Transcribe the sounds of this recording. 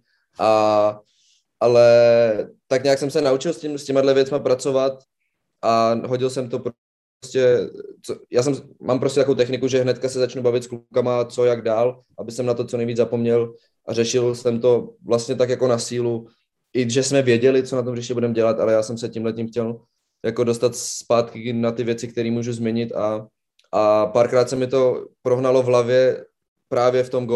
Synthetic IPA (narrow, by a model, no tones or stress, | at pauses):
ʔa | ʔalɛ | t̪akɲaːksɛmsɛnaut͡ʃɪlscɪmscɛmadlɛvjɛt͡smapɾat͡so̞vat̪̚ | ʔaɦo̞ɟɪlsɛmt̪o̞pɾ | scɛt͡sojaːsɛmmaːmpɾoscʲɛt̪akoowt̪ɛxnɪkuʒɛɦnɛt̪kasɛzat͡ʃnubavɪt̪sklukamat͡so̞jaɡdaːl | ʔabɪsɛmnat̪ot͡sonɛjviːd͡zzapo̞mɲɛl | ʔarɛʃɪlsɛmt̪o̞vlast̪ɲɛt̪akjako̞nasiːlu | ʔɪʒɛsmɛvjɛɟɛlɪt͡sonat̪̬omrɪʃcɛbudɛmɟɛlat̪ʔalɛjaːsɛmsɛcimlɛcimxcɛl | jako̞do̞st̪at̪spaːt̪kɪnat̪ɪvjɛt͡sɪk̚t̪ɛɾiːmuːʒuzmɲɛɲɪt̪a | ʔapaːɾkɾaːt̪sɛmɪt̪o̞pɾoɦnalo̞vɦlavjɛ | pɾaːvjɛft̪o̞mɡo